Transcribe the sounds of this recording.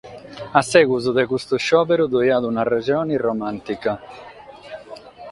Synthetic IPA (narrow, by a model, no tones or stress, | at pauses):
asːɛːɡuzud̪ekust̪uʃːɔːpɛɾud̪ɔjad̪unared͡ʒɔːnirɔmant̪ika